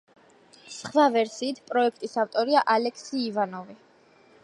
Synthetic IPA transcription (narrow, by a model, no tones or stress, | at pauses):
sχvavɛɾsiːt̪ʰpʼɾɔɛkʰt̪ʼisaft̪ʼɔɾiaʔalɛkʰsiːvanɔvi